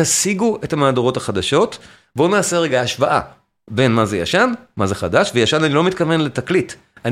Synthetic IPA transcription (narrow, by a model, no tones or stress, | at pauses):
asiɡuethamaːdoʁo̞thaχadaʃo̞t | bo̞naːseʁe̞ɡaaʃvaʔa̰ | be̞nmazeja̰ʃanmaze̞χadaʃvejaʃananilo̞mitkave̞nletaklit | an